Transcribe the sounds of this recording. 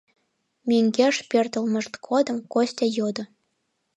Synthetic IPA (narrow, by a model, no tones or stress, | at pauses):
mʲeŋɡʲeʃpʲert̪ə̆lmɤ̆ʃt̪kʰod̪ə̆mkosʲt̪ʲejod̪ɤ̆